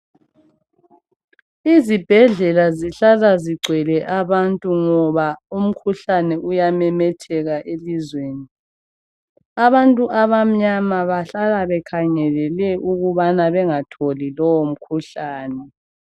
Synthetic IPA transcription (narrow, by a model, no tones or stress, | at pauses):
izib̥ʱɛɮɛlaziɬalaziɡ͡ǀʱwɛlɛʔaβantʼuŋɔβaum̩kʰuɬanɛʔujamɛmɛtʰɛɣaʔelizweːni | aβantʼuʔaβam̩ɲamaβaɬalaβɛkʰaŋɛlɛlɛʔuɣuβanaβɛŋatʰolilɔwom̩kʰuɬaːnɛ